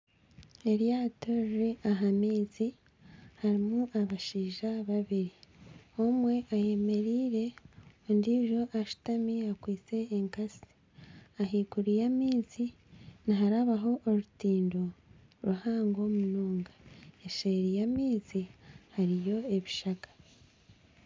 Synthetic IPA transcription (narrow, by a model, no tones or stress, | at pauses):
e̞ɾjatoɾɾeʔaɦamiːzi | haɾimuʔaβaʃiːʒaβaβiɾiomwe̞ʔaje̞me̞ɾiːɾe̞ondiːʒo̞ʔaʃu̥tamiakwiːt͡se̞ːŋkasi̥ | aɦiːkuɾijamiːzi | niɦaɾaβaɦo̞ʔːɾutiːndo | ɾuhaːŋɡo̞munoːŋɡaeʃeɾijamiːzihaɾijo̞e̞βiʃakḁ